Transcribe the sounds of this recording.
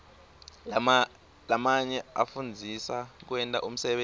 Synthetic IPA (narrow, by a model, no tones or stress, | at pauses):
lamaɲɛafund͡zʱisak̬wɛntʼaʔum̩sɛɓe